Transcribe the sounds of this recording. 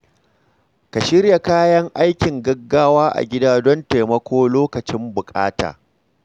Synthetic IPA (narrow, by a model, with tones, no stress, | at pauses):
ka˨ʃɪ˦ɾja˨kaː˦jɐ˦ŋʔa˦jkʲɪ˨ŋɡɐ˦ɡːaː˦waː˦ʔa̰˨ɡʲɪ˦daː˦dɔ˦nte˨mɐ˦kʷoː˦loː˦kɐ˨t͡ʃɪ˦mbʊ˨kʼa̰ː˦ta̰ː˨